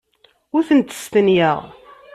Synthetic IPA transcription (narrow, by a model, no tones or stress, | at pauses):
ʊɾθənt̪ə̥st̪ənjəʁ